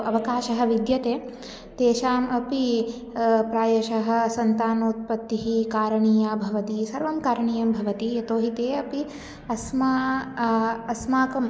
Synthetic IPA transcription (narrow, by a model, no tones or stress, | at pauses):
ɐʋɐkaːʃɐɦɐ̆ʋid̪jɐt̪eː | t̪eːʃaːmɐpi | pɾaːjɐʃɐɦɐ̆sɐnt̪aːnoːt̪̚pɐt̪ːiɦikaːɾɐɳiːjabʱɐʋɐt̪isɐɾʋɐmkaːɾɐɳiːjɐmbʱɐʋɐt̪ijɐt̪oːɦit̪eːɐpi | ɐsma | ɐsmaːkɐm